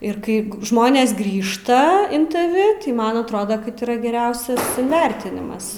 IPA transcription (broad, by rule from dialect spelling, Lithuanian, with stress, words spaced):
ɪr ˈkɐɪ ˈʒmoːnʲeːs ˈɡrʲiːʃtɐ ɪn tɐˈʋʲɪ ˈtɐɪ ˈmɐn ɐtˈroːdoː kɐt iːˈrɐ ɡʲɛˈrʲɛʊsʲɛs ɪnʲˈʋʲɛrʲtʲɪnʲɪmɐs